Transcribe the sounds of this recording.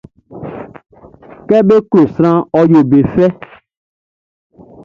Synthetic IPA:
kɛ˦be˦klo˨sɾ̃ã˦ɔ˦jo˨be˨fɛ˦

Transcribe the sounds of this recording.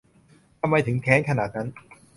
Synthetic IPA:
t̪ʰa˧mːa˧jt̪ʰɯ˩˦ŋkʰɛː˦˥ŋkʰa˧naː˨˩t̪̚na˦˥n

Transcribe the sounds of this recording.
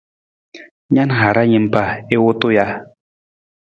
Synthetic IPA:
ɲa˦nɦa˨ɾa˦ɲi˨mpa˨e˦wo˦t̪o˦ja˦

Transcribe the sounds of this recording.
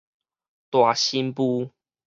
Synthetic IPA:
t̪wa˨˩ɕi˦npu˦

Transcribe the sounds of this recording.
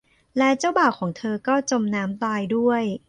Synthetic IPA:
lɛ˦˥t͡ɕaː˥˩wbaː˨˩wkʰːɔː˩˦ŋt̪ʰɤː˧kɔː˥˩t͡ɕo˧mnaː˦˥mt̪aː˧jdu˥˩əj

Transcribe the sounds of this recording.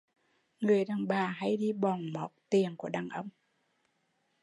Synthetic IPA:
ŋɨ˨˩əjɗaː˨˩ŋɓaː˨˩ɦa˧jɗi˧ɓɔ˨˩nmɔ˨˦t̚t̪i˨˩əŋku˧˩əɗaː˨˩ŋʔə˧wŋ͡m

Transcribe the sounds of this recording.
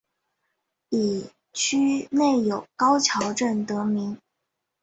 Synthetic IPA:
i˨˩ | t͡ɕʰy˥ne˥˩ɪjo˨˩ʊkɑ˥ʊt͡ɕʰjɑ˧˥ʊʈ͡ʂə˥˩nt̪ɤ˧˥mi˧˥ŋ

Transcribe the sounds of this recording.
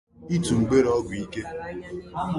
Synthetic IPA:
i˦tu˨ŋ͡m̩˨ɡ͡be˦ɾɔ˦ɡʷi˦ke˦

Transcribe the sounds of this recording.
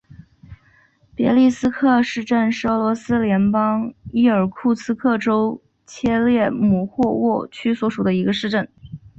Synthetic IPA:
pjɛ̰˧˥li˥˩sɹ̩˥kʰɤ˥˧ʂɻ̩˥˧ʈ͡ʂə˥˧nʂɻ̩˥˩ə˧˥lwɔ˧˥sɹ̩˥ljɛ˧˥npɑ˥ŋi˥ə˞˨˩kʰu˥˩sɹ̩˥kʰɤ˥˩ʈ͡ʂo˥ʊ | t͡ɕʰjɛ˥ljɛ˥˩mu˨˩xwɔ˥˧wɔ˥˩t͡ɕʰy˥swɔ˧˥ʂu˨˩d̪ə˦i˧˥ɡə˧ʂɻ̩˥˧ʈ͡ʂə˥˩n

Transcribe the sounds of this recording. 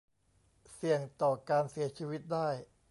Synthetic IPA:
si˨˩əŋt̪ɔː˨˩kaː˧nsi˨˩˦ɐt͡ɕʰiː˧wi˦˥t̪̚daː˥˩j

